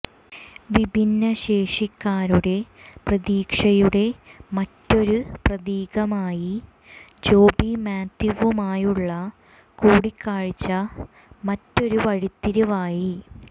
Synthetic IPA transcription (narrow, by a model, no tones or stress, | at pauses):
ʋibʱinːɐɕe̞ːʂikːaːɾuɽe̞prɐðiːkʂɐjuɽe̞mɐtːo̞ɾuprɐðiːɣɐmaːji | d͡ʑo̞ːbimjaːd̪juʋumaːjuɭːɐ | kuːɽikːaːɻit͡ɕːɐ | mɐtːo̞ɾuʋɐɻit̪ːiɾɐʋaːji